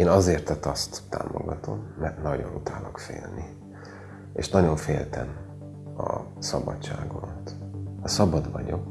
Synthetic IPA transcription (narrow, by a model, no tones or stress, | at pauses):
eːnɒzeːrt̪ɛt̪ːɒst̪ːa̰ːmoɡɒt̪ʰo̞mːɛrt̪nɒɟo̞nut̪aːlɒkfḛːlni | ḛːʃnɒɟo̞ɱfeːlt̪ɛm | ɒ | sɒbɒtt͡ʃaːɡont̪ɒsɒbɒd̪vɒɲo̞k